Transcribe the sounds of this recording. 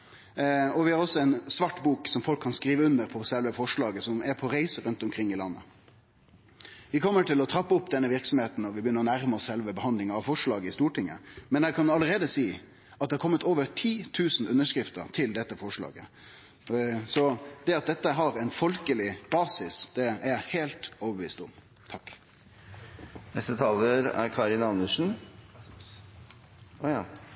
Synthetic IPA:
ɔʋɪhɑɾɔsːɔɛɪnsʋɑʈːbuːksɔmfɔlkʰːɑnskɾiːʋəʉnːəɾpʰɔsɛlʋəfɔʂɭɑːɡəsɔmɛɾpʰɔɾæɪsəɾʉnt̪ɔmkʰɾɪŋːɪlɑnːə̰ | ʋɪkʰɔmːəʈɪlɔt̪ʰɾɑpːəʊpd̪ɛnːəʋɪɾksɔm̩heːt̪n̩ɔʋɪbəjʏnːəɾɔnæɾməɔssɛlʋəbəhɑnd̪lɪŋəɑʋfɔʂɭɑːɡəɪst̪uːʈʰɪŋːə̰mɛnæɪkʰɑnɑləɾeːd̪əsiː | ɑt̪̚ɛhɑɾkɔmːət̪oːʋəɾt̪ʰiːt̪ʰʉːsn̩ʉnːəʂkɾɪft̪ə̰ɾt̪ʰɪld̪ɛt̪ːəfɔʂɭɑ̰ːɡə̰ | sɔd̪̥ɛɑt̪̚d̪ɛt̪ːəɦɑɾæɪnfɔlkəlɪb̥ɑːsɪsd̪̥ɛææheːlt̪oːʋəbəʋḭːst̪ʊ̰m | t̪ʰɑkː | nɛst̪ət̪ʰɑːləɾæ̰ɾkʰɑːɾɪnɑnʉʂn̩

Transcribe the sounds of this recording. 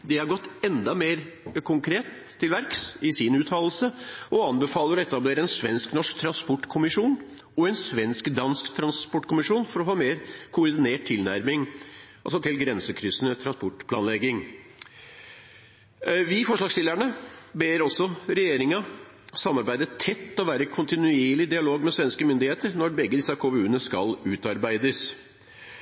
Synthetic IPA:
d̪ɛhɑɾɡɔt̪ːɛnd̪ɑmeːɾkʰʊŋkʰɾeːt̪ʰːɪlʋæɾksɪsɪnʉːt̪ʰɑːll̩səɔɑnbəfɑːləɖɛt̪ːɑbleːɾəɛnsʋɛ̰nsknɔʂkt̪ʰɾɑnspɔʈːkʰʊmɪʂuːn | ɔɛnsʋɛnskd̪ɑnskt̪ʰɾɑnspɔʈːkʰʊmɪʂuːnfɔɾɔhɑːmeːɾkʰʊɾd̪ɪneːʈ̚t̪ʰːɪlnæ̰ɾmɪŋɑlsɔt̪ʰɪlɡɾɛnsəkʰɾʏsənət̪ʰɾɑnspɔʈpʰlɑːnlɛɡɪŋ | ʋɪfɔʂɭɑːɡsɪlːæɳəbeːɾɔsɔɾɛjeːɾɪŋɑ | sɑmːɑɾbæɪd̪ət̪ʰɛt̪ːɔʋæːɾəkʰʊnt̪ɪnʉeːɭɪd̪ɪɑloːɡmɛsʋɛnskəmʏnd̪ɪheːt̪əɾnɔɾbɛɡːəd̪ɪsɑkʰʊmʉːənəskɑ̰lʉːt̪ɑɾbæɪd̪əs

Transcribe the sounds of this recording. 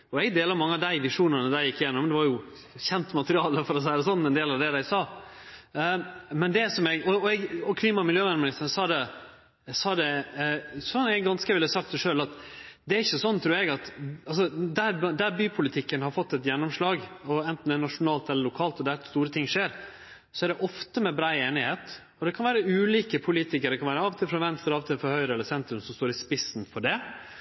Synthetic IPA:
ɔɛɡd̪eːləɾmɑŋːəɑd̪æɪʋɪʂuːnənəd̪æɪjɪkːəjɛnːɔmd̪ɛʋɑɾjʊ | çɛnt̪mɑt̪əɾɪɑːləfɔɾɔs̬æɪd̪əsɔnːɛnd̪eːlɑʋd̪ɛːd̪æɪsɑː | mɛnd̪ɛsɔmɛɡɔɛɡɔkʰliːmɑmɪljøːʋɛnmɪnɪst̪əɾənsɑːd̪ɛ | ɛsɑːd̪ɛ | sɔnɛɡɡɑnskəʋɪlːəsɑkt̪ɛʂøːlɑt̪d̪ɛæɾɪçːəsɔnːt̪ʰɾʉːɾɛɡɑt̪ɑls̬ɔd̪æɾd̪æɾbyːpʰʊlɪt̪ʰɪkːənhɑɾfɔt̪ːɛt̪jɛnːɔmʂlɑːɡɔɛnt̪n̩d̪ɛnɑʂʊnɑːlt̪ɛlːəɾlʊkʰɑːlt̪ɔd̪æɾt̪st̪uːɾət̪ʰɪŋːʂeːɾ | sɔæɖɛʔɔft̪əmɛbɾɑːeːnɪheːt̪ | ɔd̪ɛkʰɑnʋæːɾəʉːliːkəpʰʊliːt̪ɪkəɾd̪ɛkʰɑnʋæːɾəɑːʋt̪ʰɪlfɾɑʋɛnst̪əɾɑːʋt̪ʰɪlfɔɾhœʏɾəɛlːəɾsɛnt̪ɾʉmsɔmst̪oːɾɪspɪsnfɔɖɛ

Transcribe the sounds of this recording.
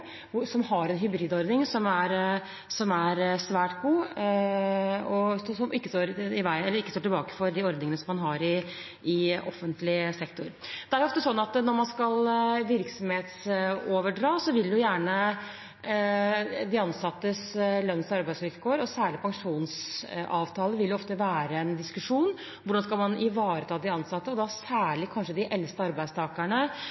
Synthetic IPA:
sɔmɦɑɾɛnɦʏbɾiːd̪ɔɾd̪nɪŋsɔmæɾ | sɔmæɾsʋæːʈɡuː | ɔsɔsɔmɪkːəst̪oːɾɪʋæɪɛlːəɾɪkːəst̪oːʈɪlbɑːkə̥fɔɾd̪ɪɔɾd̪nɪŋənəsɔmɑnɦɑɾɪ | ɪʔɔfːənt̪lɪsɛkt̪ʊɾd̪̥ɛæɾjʊɔft̪əsɔnːɑt̪nɔɾmɑnskɑlʋɪɾksɔmheːt̪soːʋəɖɾɑːsɔʋɪld̪ɛjʊjæːɳə | d̪ɪɑnsɑt̪ːəslœnːəsɑɾbæɪsɪɾkoːəɾɔsæːɭɪpʰɑŋʂuːnsɑːʋt̪ʰɑːləʋɪljʊɔft̪əʋæːɾəɛnd̪ɪskʉʂuːn | ʋʊɖɑnskɑlmɑnɪʋɑːɾət̪ʰɑːd̪ɪɑnsɑt̪ːəɔd̪ɑsæːɭɪkʰɑnʂəd̪ɪʔɛlst̪əɑɾbæɪst̪ʰɑːkæɳə

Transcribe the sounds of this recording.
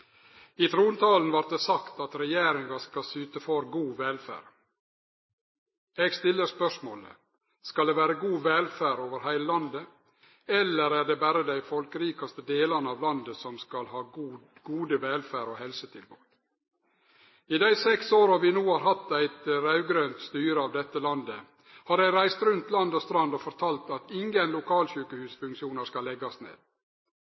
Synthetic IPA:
it̪ʰɾuːnt̪ʰɑːln̩ʋɑɾt̪̚d̪eːsɑkt̪ɑt̪ɾɛjeːɾɪŋɡɑskɑsyːt̪əfɔɾɡuːʋɛlfæ̰ːɾ | eɡst̪ɪlːəɾspœʂmo̰ːlə̰ | skɑld̪eːʋæːɾəɡuːʋɛlfæːɾoːʋəɾhæɪləlɑnd̪ə | ɛlːəɾæːɖeːbæɾəd̪æɪfɔlkəɾiːkɑst̪əd̪eːlɑnəɑːʋlɑnd̪əsɔmskɑlhɑː | ɡuːd̪əʋɛlfæːɾoːhɛlsət̪ʰɪlbuːt̪ | ɪd̪æɪsɛksoːɾɑʋɪnuːhɑːɾɦɑt̪ːæɪt̪ɾɑʉɡɾøːnt̪st̪yːɾəɑːʋd̪ɛt̪ːəlɑnd̪ə | hɑɾæɪɾæɪst̪ɾʉnt̪lɑnd̪oːst̪ɾɑnd̪oːfɔɾt̪ʰɑːlt̪ɑt̪ɪŋɡənlʊkʰɑːlçʉːkəhʉːsfʉŋkʃɪuːnəskɑlːɛɡɑsnḛːd̪̥

